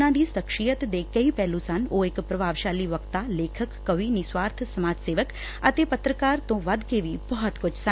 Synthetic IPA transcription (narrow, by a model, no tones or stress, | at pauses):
ãːd̪iːsəkʃijət̪d̪eːkɐiːpɛːlũsɐnoːɪkpɾəbʱaːʋʃaːliːʋəkt̪aleːkʰəkːɐʋiːniːswaːɾt̪ʰsəmaːd͡ʒseːʋək | ət̪eːpət̪ɾəkaːɾt̪õːʋɐd̪keʋiːbɔɦt̪kʊt͡ʃʰsə